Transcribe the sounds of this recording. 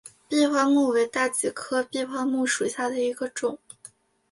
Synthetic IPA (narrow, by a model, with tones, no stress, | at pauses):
pi˥˧xwa˥˧mu˥˩we˧˥ɪt̪a˥˩t͡ɕi˨˩kʰɤ˥pi˥˧xwa˥˧mu˥˩ʂu˨˩ɕja˥˩d̪ə˩i˧˥ɡə˧ʈ͡ʂʊ˨˩˦ŋ